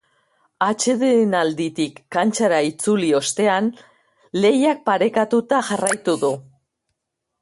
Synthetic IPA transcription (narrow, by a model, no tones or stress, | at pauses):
at͡ʃe̞ðenald̪it̪ikːant͡ʃaɾait͡sulio̞st̪e̞an | le̞jak̚paɾe̞kat̪ut̪aʝarajt̪uðu